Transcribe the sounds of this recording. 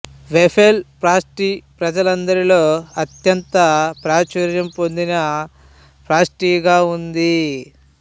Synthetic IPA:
ʋepʰelpɾaːsʈipɾɐd͡ʒɐlɐnd̪ɐɾilo̞ːɐt̪jɐnt̪ɐpɾaːt͡ʃɐɾjɐmpo̞nd̪inɐ | pɾaːsʈiːɡaːund̪i

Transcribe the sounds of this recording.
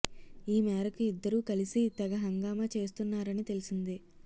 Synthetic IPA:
iːmɛːɾɐkuid̪ːɐɾuːkɐlisit̪ɛɡɐɦɐŋɡaːmɐt͡ʃe̞ːs̬t̪unːaːɾɐnit̪e̞lisind̪i

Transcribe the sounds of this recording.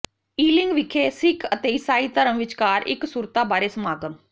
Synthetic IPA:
iːlɪŋɡʋɪkʰeːsɪkʰət̪eːɪsaːiːt̪əɾəmʋɪt͡ʃkaːɾɪ̰ksuːɾt̪aːbaːɾeːsəmaːɡənː

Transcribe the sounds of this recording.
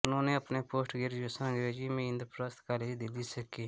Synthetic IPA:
ʊnõːneːəpneːpoːsʈɡeɾd͡ʒosãːɡɾeːd͡ʒiːmẽɪ̃nd̪əɾpɾaːst̪kaːled͡ʒd̪ɪliːsəkeː

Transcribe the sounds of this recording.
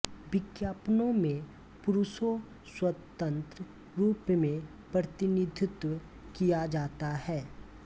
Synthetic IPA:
bɪkjaːpnõmẽ | pʊɾʊʃo | swət̪ə̃nt̪ɾə | ɾuːpmẽ | pɾət̪ɪnid̪ʱɪt̪wə | kijad͡ʒaːt̪ahɛː

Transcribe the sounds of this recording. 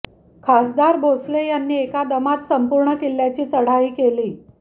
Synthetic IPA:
kʰasd̪aɾbʱoslejanːiːekad̪əmat̪səmpuɾɳəkiljat͡ɕiːt͡səɽ̤aiːkeliː

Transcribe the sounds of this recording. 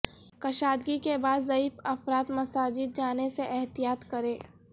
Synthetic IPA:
kɐʃaːd̪ɡikebaːd̪zɐiːfɐfɾaːt̪mɐsaːd͡ʒid̪̚d͡ʒaːneseʔɛɦt̪ijaːt̪kɐɾẽː

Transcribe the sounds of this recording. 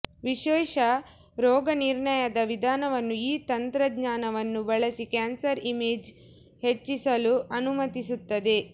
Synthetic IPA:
ʋiʃɛːʃɐ | ɾɔːɡɐniɾɳɐjɐd̪ɐʋid̪ʱaːnɐʋɐnːuiːt̪ɐnt̪ɾɐdɲaːnɐʋɐnːubɐɭɐsikaːnsɐɾimeːd͡ʒ | het͡ʃːisɐluɐnumɐt̪isut̪ːɐd̪e̞

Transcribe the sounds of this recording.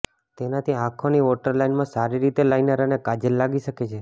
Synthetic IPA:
t̪enat̪ʰiãkʰoniʋoʈəɾlainmãsaɾiɾit̪elainəɾanekad͡ʒəlːaɡiʃəket͡ʃʰe

